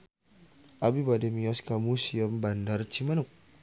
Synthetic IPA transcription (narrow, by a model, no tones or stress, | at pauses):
ʔabibademiɔskamusiəmbandart͡ʃimanuk̚